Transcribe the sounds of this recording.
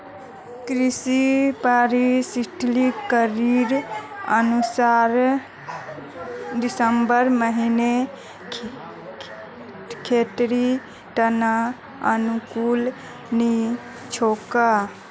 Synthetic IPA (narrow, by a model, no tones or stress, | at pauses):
kɾisipaɾisiʈlikəɾiɾə̰nusaɾ | ɖisəmbəɾməɦine | kʰet̪ɾi | ʈəna | ənukul | ni | t͡ʃʰoka